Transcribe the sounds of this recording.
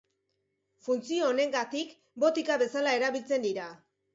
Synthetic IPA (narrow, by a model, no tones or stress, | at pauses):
funt͡sioːne̞ŋɡat̪ik | bo̞t̪ikaβe̞salae̞ɾaβilt͡se̞nd̪iɾa